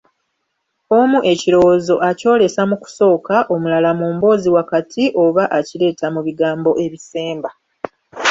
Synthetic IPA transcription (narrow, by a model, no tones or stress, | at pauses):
o̞muʔe̞ciɾo̞wozo̞ʔaco̞ːle̞samuku̥so̞ːkaʔo̞mulalamuːmbo̞ːziwakatʰiʔo̞βaʔacile̞ːtamuβiɡaːmbo̞ʔe̞βise̞ːmba